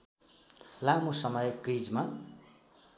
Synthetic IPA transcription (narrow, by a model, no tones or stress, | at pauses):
lamosʌmʌjkrid͡zma